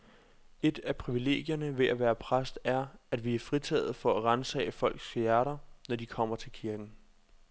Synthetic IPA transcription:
e̝d̥æpʰʁiʋile̝̰ːɡ̥jɐnəʋe̝ʔæʋæːɐpʰʁasd̥æɐæd̥ʋiæɐfʁit͡sʰɛ̰ːð̩ˠfɒ̽æʁansɛ̰ɪəfɒ̽l̰ɡ̥sjæɐɾɐnɒd̥ikʰɒ̽m̰ɐt͡sʰe̝lkʰiɐɡ̥n̩

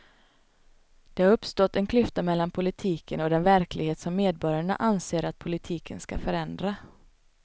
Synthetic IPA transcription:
d̪̥ɛhaɾɵpːst̪ɔt̪ːɛnkʰlʏft̪amɛlːanpʰʊlɪt̪ʰiːkənɔd̪ɛnvæɾklɪɡheːt̪sɔmːeːd̪̚bɔɾjaɳa̰ʔanseːɾat̪̚pʰʊlɪt̪ʰiːkʰənska̰fœɾɛnd̪ɾa

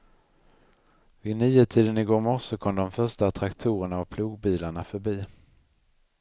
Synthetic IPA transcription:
vɪniːət̪ʰiːd̪ənɪɡoːɾmɔʂɔkʰɔmd̪ɔmfœʂʈat̪ʰɾakt̪ʰuːɾəɳaɔpʰluːɡbiːlaɳafœɾbiː

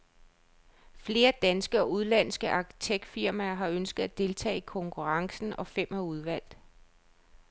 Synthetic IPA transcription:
fle̝ːɐd̥ænsɡ̥əɒ̽uð̞ˠlæn̰sɡ̥əʔɑ̈kʰi̥t͡sʰeɡ̥̚d̥fiɐ̰mæːɐɦɑ̈ønsɡ̥ð̩ˠæd̥e̝lt͡sʰɛ̰ːikʰɒ̽ŋkʰuʁɑ̈ŋsn̩ʔɒ̽fem̰hæuð̞ˠʋæl̰d̥

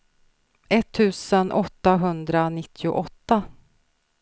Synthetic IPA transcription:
ʔɛt̪ʰːʉ̟ːsənʔɔt̪ːaɦɵnd̪ɾanɪt̪ʰːɪʊ̰ʔɔt̪ːa

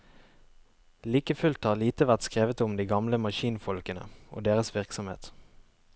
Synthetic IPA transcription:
liːkəfʉlt̪hɑːʁliːt̪əʋæʁt̪skʁeːʋət̪ʊmd̪iːɡɑmləmɑʃiːnfɔlkənə̰ʔo̰ːd̪eːʁəsʋɪʁksɔmhḛːt̪

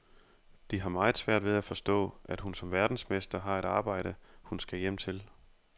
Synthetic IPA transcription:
d̥iɦɑ̈mɑ̈ːð̩ˠsʋæɐ̰d̥ʋe̝ðˠæfɒ̽sd̥ɔ̰ːʔæd̥hunsɒ̽mʋæɐd̥n̩smesd̥ɐɦɑ̈e̝ɾ̥ɑ̈ːb̥ɑ̈ɪ̰ɾ̥əhunsɡ̥æjem̰t͡sʰe̝l

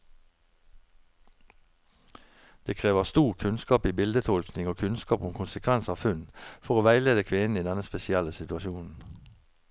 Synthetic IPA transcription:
d̪̥eːkʰʁeːʋəʁst̪uːʁkʰʉnskɑːpiːbɪld̪ət̪ʰɔlknɪŋoːkʰʉnskɑːpʊmkʰʊnsəkʰʋɛnsɑːʋfʉnfɔʁoːʋæɪleːd̪əkʰʋɪnn̩iːd̪ɛnəspɛsɪɛləsɪt̪ʉɑʃuːnn̩

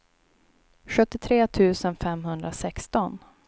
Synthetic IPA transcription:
ɧɵt̪ːɪt̪ʰɾeːt̪ʰʉ̟ːsənfɛmɦɵnd̪ɾasɛkst̪ɔn

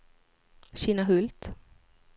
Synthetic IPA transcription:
ɕiːnaɦɵlt̪

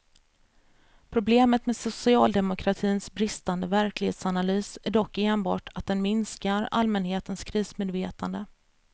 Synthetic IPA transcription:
pʰɾʊbleːmət̪meːsʊsɪɑːld̪ɛmʊkʰɾat̪ʰiːnsbɾɪst̪and̪əvæɾklɪhḛːt̪sanalyːsæɖɔkːeːnbɑ̰ːʈʰat̪̚d̪ɛnmɪnskaɾa̰lmɛnheːt̪ənskʰɾiːsmeːd̪veːt̪ʰand̪ə

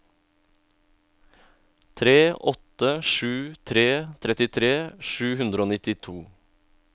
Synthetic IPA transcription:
t̪ʰɾeːʔɔt̪əʃʉːt̪ʰɾeːt̪ʰɾɛt̪ɪt̪ʰɾeːʃʉːhʉnd̪ɾoːnɪt̪ɪt̪ʰuː

